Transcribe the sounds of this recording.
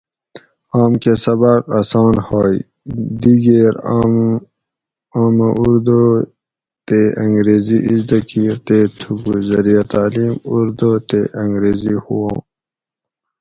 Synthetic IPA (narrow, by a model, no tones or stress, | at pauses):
aːmkesɐbaːqɐsɑːnhoːj | d̪iɡeːɾam | aːmaʔuɾd̪o | t̪eɐŋɡɾeːziʔizd̪ɐkʰiːɾt̪et̪ʰukuzɐɾijat̪aːliːmuɾd̪ot̪eʔɐ̃ŋɡɾeːzihuwãː